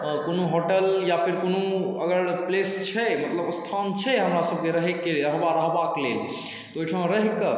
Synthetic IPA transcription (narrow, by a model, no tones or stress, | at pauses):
konoɦoʈəljapʰiɾkonoəɡəɾplest͡ʃʰɛmət̪ləbst̪ʰant͡ʃʰɛɦəmɾasəb̚keɾəɦekːeəɦbaɾəɦbaklel | t̪ɔojʈʰəɦõɾəɦkə